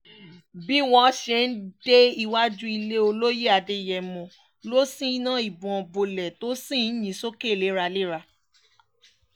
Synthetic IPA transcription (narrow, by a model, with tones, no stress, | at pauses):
bi˦w̃ɔ̃˧˦ʃe˧n̩˦d̥e˦i˧wa˦d͡ʒũ˦i˧le˦o˧lo˦je˦a˧de˧˨jɛ˨mɔ̃˨ | lo˦sĩ˦i˦nã˦i˨bɔ̃˨bo˨lɛ˨to˦sĩ˦˨n̩˦ɲĩ˨˦so˦ke˦˨le˨˦ɾa˧le˦ɾa˧